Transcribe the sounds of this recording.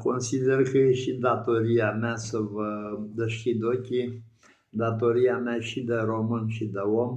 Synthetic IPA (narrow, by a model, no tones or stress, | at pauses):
ko̞nsid̪erkəjeʃid̪at̪o̞ɾijameasəvəd̪əʃkʲid̪okʲi | d̪at̪o̞ɾiameaʃid̪eɾo̞mɨnʃid̪eom